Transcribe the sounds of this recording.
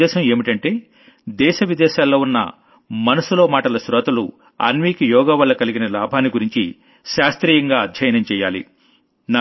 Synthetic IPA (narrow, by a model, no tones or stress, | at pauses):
ɛːʃɐme̞ːmiʈɐɳʈe̞ː | d̪ɛːʃɐʋid̪ɛːʃaːlːoːunːɐ̰ | mɐnɐsulo̞ːmaːʈɐlɐsɾɔːt̪ɐlu | ɐ̰nʋiːkijɔːɡɐʋɐlːɐkɐliɡinɐlaːbʱaːnːiɡuɾiɲt͡ʃḭ | ʃaːst̪ɾiːjɐŋɡaːɐd̪ʱjɐjɐnɐmt͡ʃɛːja̰ːlḭ | na